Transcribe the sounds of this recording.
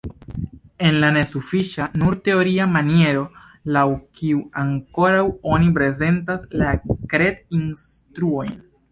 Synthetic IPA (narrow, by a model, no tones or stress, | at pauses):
e̞nlane̞sufiʃanuɾte̞o̞ɾiamanie̞ɾo̞ | lawkiuaŋko̞ɾawo̞nip̬ɾe̞ze̞ntaslakɾe̞dinstɾuo̞jn